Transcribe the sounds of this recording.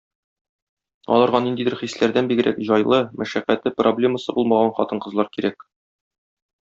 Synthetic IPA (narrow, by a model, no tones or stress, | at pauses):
ɒ̰lˠɑɾʁɑnind̪id̪ɘɾχislæɾd̪ænbiɡɘ̆ɾʔæ̰kʑɒjlˠɤmæʃæqːæt̪lɘproblʲe̞məsɤbulˠmɑʁɑnχɒt̪ɤɴqɤ̆zlˠɑɾkiɾæk